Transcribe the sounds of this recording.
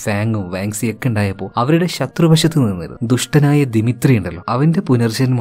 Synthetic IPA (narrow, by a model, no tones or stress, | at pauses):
saːŋɡumʋaːŋsekːeɳɖaːjɐpːo̞ːɭɐʋɐɾuɽe̞ɕɐt̪rɐbɐɕɐt̪ːɨninːḭɾṵnd̪uʂʈɐnaːjɐd̪imit̪rijuɳɖɐlːo̞ːɐʋɐnde̞punɐrd͡ʑɐnm